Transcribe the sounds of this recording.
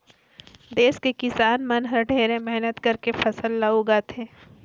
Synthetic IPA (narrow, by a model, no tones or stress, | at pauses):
d̪eːskekɪsaːnmɐnɦəɾɖʱeːɾẽmɛɦnət̪kɐɾkefʰɐsəlːaoɡat̪ʰeː